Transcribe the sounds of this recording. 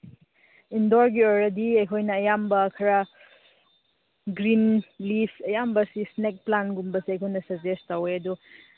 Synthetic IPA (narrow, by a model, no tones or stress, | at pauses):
indɔɾɡiojɾɐdiɐjkʰojnɐːjambɐkʰɐɾa | ɡɾinlipʰɐjambɐsisnek̚planɡumbɐsiɐjkʰojnɐsɐd͡ʒestaweɐdu